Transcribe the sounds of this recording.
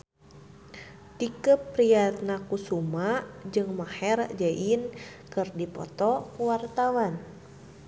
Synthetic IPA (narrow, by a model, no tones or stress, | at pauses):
tikəpːɾiat̪̚nakusumad͡ʒɨŋmahɛrd͡ʒaʔinkɨrdipɔ̰t̪ɔkuwart̪awan